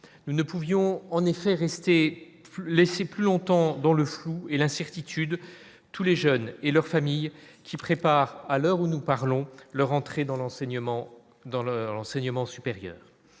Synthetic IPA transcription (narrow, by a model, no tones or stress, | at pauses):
nunəpuvjɔ̃ɑ̃nefɛʁɛst̪e | plɛseplylɔ̃t̪ɑ̃d̪ɑ̃ləfluelɛ̃sɛʁt̪it̪ʰyd̪ | t̪uleʒœnelœʁfamijkʲipχepaʁalœʁunupaʁlɔ̃lœʁɑ̃t̪χed̪ɑ̃lɑ̃ɛ̃ | d̪ɑ̃lɑ̃sɛɲəmɑ̃sypeʁjœ̰ːʁ